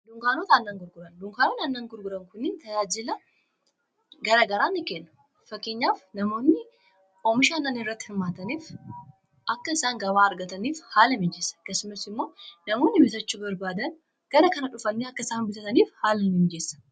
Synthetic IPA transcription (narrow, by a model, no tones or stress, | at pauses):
d̪ʊŋkaːnot̪ɐnːaŋɡʊɾɡʊɾɐnd̪ʊŋkaːnot̪ɐnːaːŋɡʊɾɡʊɾɐŋkʊnːɪnt̪ɐjaːd͡ʒɪlɐ | ɡɐɾɐɡɐɾaːnːɪkeːnːɐ̥ | fɐkːeːɲːaːfnɐmo̞ːnːɪ | omɪʃaːnːɐnɪrːɐt̪ːɪ̥hɪmːaːt̪ɐniːf | ʔɐkːɐɪsaːŋɡɐβaːɐɾɡɐt̪ɐniːfhaːlɐmɪnd͡ʒeːsɐ̥ɐkːɐsʊmɐsɪmːo̞ːnɐmo̞ːnːɪbɪsɐt͡ʃːuːbɐɾbaːd̪ɐn | ɡ̥ɐɾɐkɐnɐᶑʊfɐnːeɐkːɐɪsaːnbɪt̪ɐt̪ɐniːfhaːlɐnɪnd͡ʒe̞ːsːɐ̥